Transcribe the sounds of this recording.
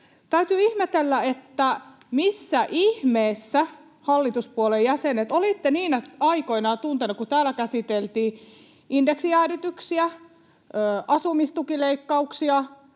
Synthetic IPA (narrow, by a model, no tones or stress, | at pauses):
t̪æyt̪yːihmet̪elːæet̪ːæ | misːæʔihmeːsːæ | hɑlːit̪uspuolejjæsenet̪olit̪ːeniːnæɑikoinɑt̪unt̪enukut̪æːlækæsit̪elt̪iː | indeksiæːrit̪yksiæ | øːʔɑsumist̪ukileikːɑuksiɑ